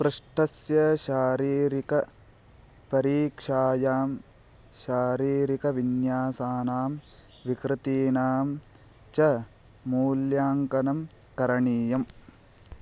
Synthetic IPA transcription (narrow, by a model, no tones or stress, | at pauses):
pɾɨʂʈɐsjɐʃaːɾiːɾikɐ | pɐɾiːkʂaːjaːm | ʃaːɾiːɾikɐʋinjaːsaːnaːm | ʋikɾɪt̪iːnaːm | t͡ʃɐ | muːljaːŋkɐnɐm | kɐɾɐɳiːjɐm